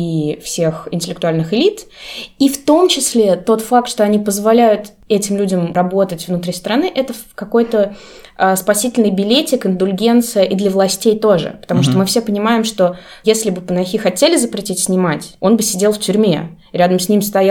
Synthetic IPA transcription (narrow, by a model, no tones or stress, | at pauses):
ifsʲe̞xɪ̰nʲtʲɪlʲɪkt̪ʊalʲnɨxɪlʲit̪ift̪o̞mt͡ɕɪsʲlʲe̞t̪o̞t̪fak̚t̪ʂt̪o̞ɐnʲipəzvɐlʲæjʊt̪ | ɛtʲɪmlʲudʲɪmɾɐbo̞t̪ətʲvnʊt̪ɾʲist̪əɾɐnɨʔɛt̪əkɐko̞jt̪ə | əspɐsʲitʲɪlʲnɨjbʲɪlʲetʲɪkɪnd̪ʊlʲɡʲe̞nt̪sɨjəʔid̪lʲəvlˠɐsʲtʲejt̪o̞ʐɨ̰pə̥t̪ɐmuʂ̬t̪omɨfsʲe̞pənʲɪmajɪmʂt̪o̞ | jesʲlʲɪbɨpənɐxʲixɐtʲelʲɪzəpɾʲɪtʲitʲsʲnʲɪmatʲo̞nbɨsʲɪdʲe̞lˠftʲʉɾʲmʲe | ɾʲad̪əmsʲnʲimst̪ɐja